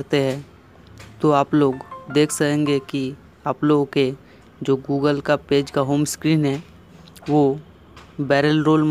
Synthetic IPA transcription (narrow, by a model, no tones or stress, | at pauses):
ɾt̪eɦɛ̃ː | t̪oaːploːɡd̪eːkʰsəkɛ̃ːŋɡeki | aːploːɡke | d͡ʒoːɡuːɡəlkapeːd͡ʒkaɦoːmskɾiːnɦɛː | ʋo | bɛːɾəlɾoːlm